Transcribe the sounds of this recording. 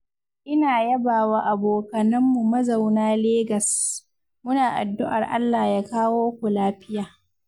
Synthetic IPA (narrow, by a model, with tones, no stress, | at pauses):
ʔɪ˦naː˨jɐ˦baː˨waː˦ʔa˨boː˨kɐ˨nɐ˦mːu˨mɐ˦za˨wnaː˦leː˦ɡɐ˨s | mʊ˦naː˨ʔa̰˨dːʊ˦ʔa̰˨rʔa̰˦lːaː˨jaː˦kaː˦woː˦kʷʊ˨laː˦ɸɪ˦jaː˨